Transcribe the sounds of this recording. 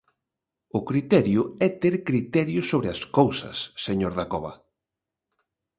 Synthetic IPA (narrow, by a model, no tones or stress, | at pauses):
ʊkɾit̪ɛɾjʊɛt̪eɾkɾit̪ɛɾjʊsoβɾɪɐskowsɐ̰sːeɲoɾðakɔβɐ̰